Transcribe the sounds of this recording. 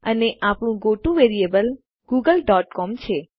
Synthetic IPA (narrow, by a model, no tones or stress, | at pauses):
əneʔapɳ̃ũɡoʈũʋeɾiebəl | ɡuɡəlɖɔʈkɔmt͡ʃʰe